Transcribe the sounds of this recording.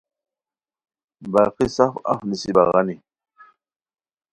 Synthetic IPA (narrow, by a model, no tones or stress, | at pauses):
bakisafa̰fnisibaɣani